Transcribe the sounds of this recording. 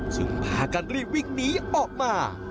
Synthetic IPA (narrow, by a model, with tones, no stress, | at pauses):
t͡ɕɯ̰˨˦ŋpʰaː˧ka˧nɾi˥˩p̚wi˥˩ŋ̚niː˦˥ʔɔː˨˩k̚maː˧